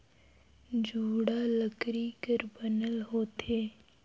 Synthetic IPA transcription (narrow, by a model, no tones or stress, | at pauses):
d͡ʒʱuːɽaləkɾikəɾbənəlɦoːt̪eː